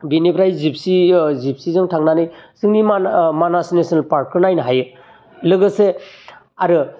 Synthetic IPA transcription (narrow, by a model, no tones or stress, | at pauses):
binepʰɾajzip̚sizip̚sizɯŋtʰaŋnanɯjsɯŋnimamanasnesɔnalpaɾkʰɯɾnajnɦajɯ | lɯɡɯse | aɾɯ